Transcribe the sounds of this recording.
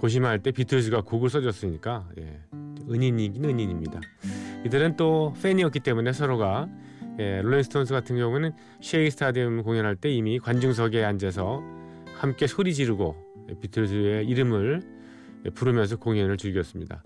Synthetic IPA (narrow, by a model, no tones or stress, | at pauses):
koɕ̬ʰimɦaɭt͈e̞pitʰɯɭs̬ʰɯɡakoɡɯɭs͈ʌd͡ʑʌs͈ɯɲik͈aje̞̰ | ɯɲiɲiɡinɯɲiɲimɲidaidɯɾɯnt͈oɸ͈ʰeɲiʌk͈it͈e̞mune̞sʰʌɾoɡa | je̞ɾoinsʰɯ̥tʰons̬ʰɯɡatʰɯnɡjʌŋunɯn | ɕʰieisʰɯ̥tʰadimkoŋjʌnɦaɭt͈e̞imikwand͡ʑuŋs̬ʰʌɡe̞and͡ʑesʰʌ | hamk͈e̞sʰoɾid͡ʑiɾuɡo | jḛpitʰɯɭs̬ʰɯe̞iɾɯmɯɭ | jepuɾɯmjʌns̬ʰʌkoŋʌnɯɭt͡ɕuɭɡijʌs͈ɯmɲida̰